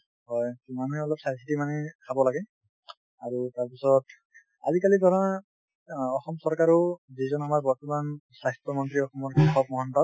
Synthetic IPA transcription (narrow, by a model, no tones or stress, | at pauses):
hɔjmanuɦɛɔlɔp̚sasʰitimanɛkʰabɔlaɡɛ | aɹutaɹpisɔt | a̰zikalidʱɔɾan | ɔxɔmsɔɹkaɹɔzizɔnamaɹbɔɹtɔmansastɔmɔnt̪ɹiɔxɔmɔɹkaxʰɔp̚mɔɦɔntɔt